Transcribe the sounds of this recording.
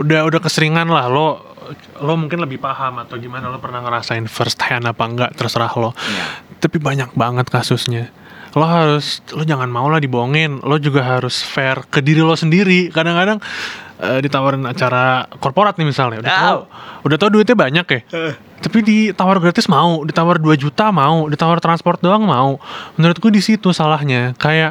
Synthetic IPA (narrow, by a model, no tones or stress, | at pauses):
udahudahkəsəɾiŋanlahlo | lomuŋkɪnləbɪhpahamat̪aɡimanalopərnahŋəɾasaɪnfərst̪hɛnapaŋɡaʔt̪ərsəɾahlot̪apibaɲak̚baŋət̪̚kasʊsɲa | loɦaɾʊslod͡ʒaŋanmaulahdiboŋɪnlod͡ʒuɡaɦaɾʊsfɛrkədiɾilɔsəndiɾikadaŋkadaŋədit̪awaɾanat͡ʃaɾakɔrpoɾat̪̚nɪhmisalnaudaht̪auudaht̪auduɪt̪ɲabaɲakɛh | t̪apidit̪awarɡɾat̪ɪsmaudit̪awarduad͡ʒut̪amaudit̪awart̪ɾanspɔrt̪̚doaŋmaumənəɾʊt̪̚ɡudisit̪usalaɦɲakajaʔ